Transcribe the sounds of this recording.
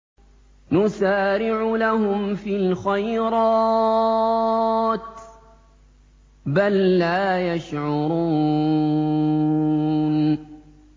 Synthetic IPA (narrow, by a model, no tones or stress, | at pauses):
nʊsaːɾɪʕʊlahʊmfiːlxajɾɑː | t̪ | balːaːjaʃʕʊɾˤuː | n